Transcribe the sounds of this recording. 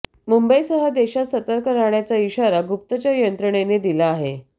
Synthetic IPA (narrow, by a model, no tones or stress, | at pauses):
mumbəjsəɦəd̪eɕasət̪əɾkəɾaɳjat͡saiɕaɾaɡup̚t̪ət͡ɕajənt̪ɾəɳ̃ened̪ilaːɦe